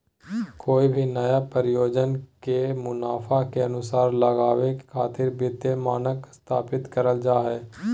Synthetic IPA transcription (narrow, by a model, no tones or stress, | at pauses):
koːibʱinɐjapəɾɪjoːd͡ʒənkemʊnaːfʰakeɐnʊsaːɾləɡaːʋekʰaːt̪ɪɾbɪt̪emaːnəkst̪ʰaːpɪt̪kəɾəld͡ʒaːɦɛː